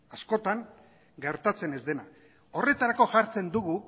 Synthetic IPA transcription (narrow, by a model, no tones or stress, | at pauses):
asko̞t̪aŋ | ɡe̞ɾt̪at͡se̞ne̞zd̪e̞na | o̞re̞t̪aɾako̞ʝaɾt͡se̞nd̪uɣ̞u